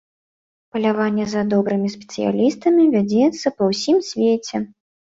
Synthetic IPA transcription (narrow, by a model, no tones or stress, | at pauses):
pɐlʲavanʲːɛzɐd̪ɔbɾɨmʲisʲpʲɛ̥t̪sɨ̰ja̰lʲist̪ɐmʲivʲad͡zʲɛt̪sːɐpɐwsʲimsʲvʲet͡sʲɛ